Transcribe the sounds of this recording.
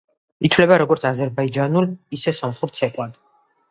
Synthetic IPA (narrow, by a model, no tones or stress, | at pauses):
it̪ʰvlɛbaɾɔɡɔɾt̪sʰazɛɾbaid͡ʒanulisɛsɔmχluɾt̪sʰɛkʼwad̪̥